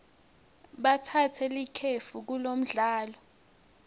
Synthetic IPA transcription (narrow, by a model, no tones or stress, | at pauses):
ɓatʰatʰɛlikʰefuk̬ulom̩ɮaːlɔ